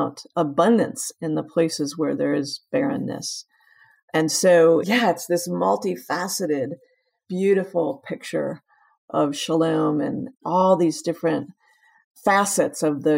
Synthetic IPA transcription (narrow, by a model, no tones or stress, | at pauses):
ʊ̃ntəbʌ̃ndɨ̰̃nsɨ̃nðəpʰl̥eɪsɨzwə˞ðə˞ɨzb̥ɛɹɨ̰̃nːɨ̰s | ʔɨ̃nsoʊjæɪtsðɪsmʌlˠtifæsɨɾɪd̚ | b̥jʉɾɨfl̩ˠpʰɪk̚t͡ʃə̰˞ | ʔʌv̥ʃəlõʊ̃mɨ̰̃nɔlˠðizdɪfɹɨ̃nt | fæsɨtsʌvðɨ